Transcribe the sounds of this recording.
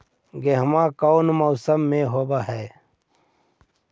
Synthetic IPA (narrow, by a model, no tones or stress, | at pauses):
ɡeɦmãːkownmoːsəmːẽɦoːbaɦɛː